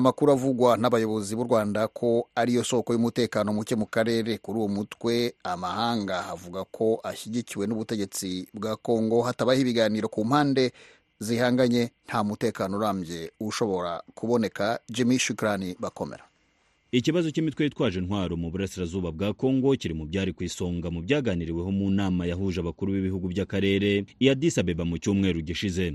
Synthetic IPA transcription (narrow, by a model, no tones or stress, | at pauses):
amakuɾuavuɡwanaβajo̞βo̞ziβuɾɡwaːndakʰo̞aɾijo̞so̞kojumute̞ːkaːnomucemukaɾe̞ːɾe̞kuɾuːwomutwe̞amahaːŋɡahavuɡakʰo̞ʔaçiɟiciwe̞nuβute̞ɟe̞t͡sibɡaːko̞ːŋɡo̞hataβahiβiɡaːniːɾo̞kuːm̥haːnde̞ | zihaːŋɡaɲe̞n̥hamute̞ːkaːnoɾaːmbje̞uʃo̞βo̞ɾa̰kuβo̞ne̞kad͡ʒimiʃukɾaniβako̞mḛɾa | iciβazo̞cimitwejitwaːʒe̞nhwaːɾo̞muβuɾasiɾazuːβabɡaːko̞ːŋɡo̞ciɾimubɟaːɾikwiːso̞ːŋɡamubɟaːɡaːniɾiwe̞ɦo̞munaːmajaɦuʒaβakuɾuβiβihuɡubɟakaɾe̞ːɾe̞ijadisaβeβamucuːmŋe̞ːɾuɟiʃize̞